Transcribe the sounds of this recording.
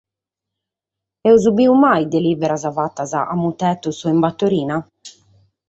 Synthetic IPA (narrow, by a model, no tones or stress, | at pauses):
ɛwzubiumajd̪eliːbɛɾazavat̪ːaza̰ʔamːut̪ɛt̪usɔimbat̪ːoɾiːna